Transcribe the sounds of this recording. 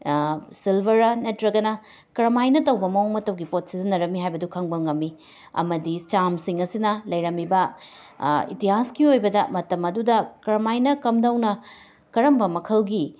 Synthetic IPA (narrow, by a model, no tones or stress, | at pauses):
silbʱɐɾɐnɐtɾɐɡɐnɐ | kɐɾɐmajnɐtɐwbɐmɐoŋmɐtɐwɡipot̚sizɐnɐɾɐmiɦajbɐdukʰɐŋbɐŋɐmːi | ɐ̰mɐdit͡ʃamsiŋɐsinɐlɐjɾɐmːibɐ | ḭtiɦaskiojbɐdɐmɐtɐmɐdudɐkɐɾɐmajnɐkɐmdɐwnɐ | kɐɾɐmbɐmɐkʰɐlɡi